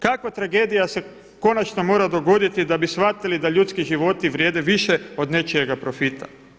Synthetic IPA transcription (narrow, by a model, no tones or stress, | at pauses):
kakʋat̪ɾaɡe̞ːd̪ijase̞ | ko̞nat͡ʃnomo̞ːɾad̪o̞ɡo̞d̪it̪id̪abisʋat̪ilid̪aʎuːt̪skiʒiʋo̞t̪iʋɾjeːd̪eʋiʃe̞o̞d̪ne̞t͡ʃijeɡapɾo̞fit̪a̰